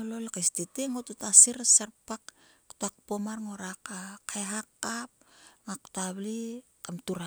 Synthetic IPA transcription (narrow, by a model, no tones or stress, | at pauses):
ololkastiteŋotutasiɾsaɾpakktak̚pomaɾŋo̞ɾakakaeɦakːap̚ŋaku̥taβli | kamtuɾa